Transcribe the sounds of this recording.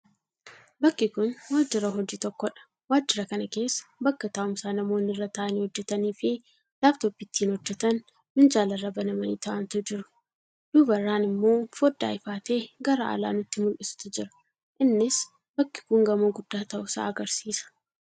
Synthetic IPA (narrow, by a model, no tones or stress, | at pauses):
bɐkːɪkʊnwaːd͡ʒːɪɾɐɦɔd͡ʒiːt̪ɔkːɔᶑɐ̥ | waːd͡ʒːɪɾɐkɐnɐke̞ːsːɐ̥bɐkːɐt̪aːʔʊmsaːnɐmo̞ːnɪrːɐt̪ɐʔɐniːhɔd͡ʒːɛt̪ɐniːfɪ | laːft̪opːɪt̪ʰːiːnhɔd͡ʒːɛt̪ɐn | mɪnd͡ʒaːlɐrːɐbɐnɐmɐniːt̪ɐʔɐnt̪ʊd͡ʒɪɾʊ̥ | d̪̥uːbɐrːaːnɪmːo̞ːfod̪ːa̰ːɪfaːt̪e̞ːɡɐɾa̰ʔɐ̰la̰ːnʊt̪ːɪmʊlʔɪsɪ̥t̪ʊd͡ʒɪɾɐ̥ | ʔɪnːɪs | bɐkːɪ̥kʊŋɡɐmoːɡʊd̪̥ːaːt̪ɐʔʊsa̰ːɐɡɐɾsiːsɐ̥